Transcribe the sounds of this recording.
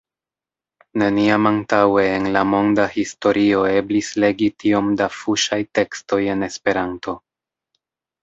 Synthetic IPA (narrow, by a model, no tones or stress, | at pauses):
ne̞niamantawe̞ːnlamo̞ndahisto̞ɾʔio̞e̞blisle̞ɡitio̞mdafuʃajte̞ksto̞je̞ne̞spe̞ɾanto̞